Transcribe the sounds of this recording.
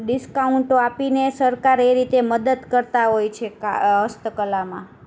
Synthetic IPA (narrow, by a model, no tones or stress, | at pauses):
ɖiskauɳʈoapinesəɾkaɾeɾit̪eməd̪əd̪kəɾt̪aɦojt͡ʃʰekaɦəst̪əkəlamã̰